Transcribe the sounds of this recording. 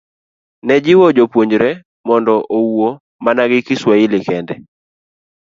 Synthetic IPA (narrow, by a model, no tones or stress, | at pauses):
nɛd͡ʒɪwod͡ʒopwoɲd͡ʒɾɛ | mɔndɔʔowo | manaɡɪkɪswaɪlɪkɛndɛ